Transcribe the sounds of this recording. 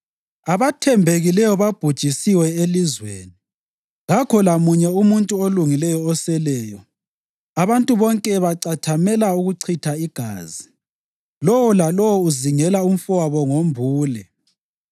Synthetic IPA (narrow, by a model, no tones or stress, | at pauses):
aβatʰɛmbʱeɣilɛjɔβab̥ʱud̥ʒ̥ʱisiwɛelizwḛːni | ɣakʰɔlamuɲɛumuntʼuoluŋilɛjɔːsɛlɛːjɔ | aβantʼuβɔŋkʼɛβaǀatʰamɛlauɣuǀʰitʰaiɡ̥ʱa̰ːzi | lɔwɔlalɔwɔuziŋɛlaum̩fɔwaβɔŋombʱuːlɛ